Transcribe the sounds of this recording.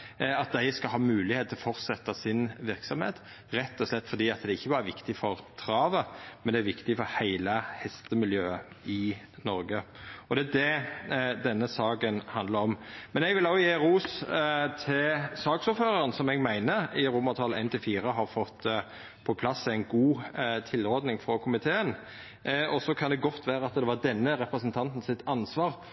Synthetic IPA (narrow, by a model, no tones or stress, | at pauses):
ɑt̪̚d̪æɪskɑlɦɑːmʉːlɪheːt̪ʰɪlɔfɔɾt̪sɛt̪ːɑsɪnʋɪɾksɔmhḛːt̪ | ɾɛt̪ːɔslɛt̪ːfɔɾd̪iːɑt̪̚d̪ɛɪçːəbɑːɾəʋɪkt̪ɪfɔɾt̪ʰɾɑːʋəmɛnd̪ɛæɾʋɪkt̪ɪfɔɾhæɪləhɛst̪əmɪljøːə | ɪ | nɔɾɡəɔd̪ɛæd̪ɛ | d̪ɛnːəsɑːkənhɑnd̪ləɾɔmmɛnɛɡʋɪlɑjeːɾuːst̪ʰɪlsɑːɡsʊːɾføːɾəɾənsɔmɛɡmæɪnəɪɾʊmːɑt̪ʰɑlæ̰ɪnt̪ʰɪlfiːɾəɦɑɾfɔt̪ː | pʰɔpʰlɑsæɪnɡuːt̪ʰɪlɔɾd̪nɪŋfɾɔkʰʊmɪt̪ʰeːən | ɔsɔkʰɑnd̪ɛɡɔt̪ʰːʋæːɾəɑt̪d̪ɛʋɑɾd̪ɛnːəɾɛpɾəsənt̪ʰɑnt̪n̩sɪt̪ɑnsʋɑːɾ